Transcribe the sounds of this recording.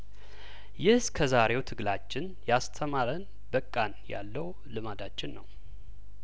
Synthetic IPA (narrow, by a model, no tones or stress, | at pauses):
jɪhskʰəzaɾe̞wt̪ʰɨɡlat͡ʃːɪn | jast̪ʰəmaɾən | bəkʼːanja̰lːəw | lɨmad̪at͡ʃːɪnːəw